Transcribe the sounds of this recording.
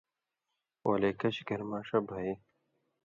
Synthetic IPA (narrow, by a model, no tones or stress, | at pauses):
wa̰lekɐɕiɡɐɾmaːʂɐbʱai